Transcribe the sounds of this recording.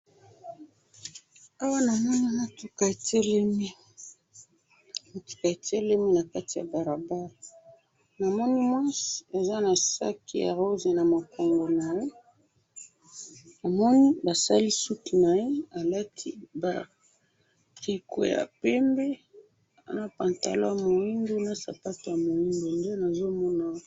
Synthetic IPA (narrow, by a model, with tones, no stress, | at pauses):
a˦wa˦na˨mɔ˦ni˦na˦tu˨ka˨e˨te˦le˦mi˦ | na˦tu̥˦ka˨e˨te˦le˦mi˦na˨ka˦ti˨ja̰˨ba˨ʁa˨ba˦ʁa˨ | na˨mɔ˦ni˦mwa˦si˨a˨za˦na˨sa̰˦kʰḭ˨ja̰˨ʁo˦ze˨na˨ma˨ko˨ŋɡo˨na˨je˦ | a˨mɔ˦ni˦ba˨sa˦li˦su˦tu˨na˨je˦a˨la˦tʰi˦ba̰˨ | ʁi˨kʰo̰˨ja̰˨pɛ˦mbɛ˦ | a̰˨na˦pa˨nta̰˨lo˦ja˨mo˨i˦ndo˦na˦sa̰˨pa˦to˨ja˨mo˨ji˦ndo˨nde˦na˨zo˦mɔ˦na˦